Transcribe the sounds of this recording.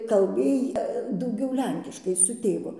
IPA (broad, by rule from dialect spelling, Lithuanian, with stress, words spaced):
kɐlʲˈbʲeːj dɐʊˈɡʲɛʊ ˈlʲɛŋʲkʲɪʃkɐɪ sʊ ˈtʲeːʋʊ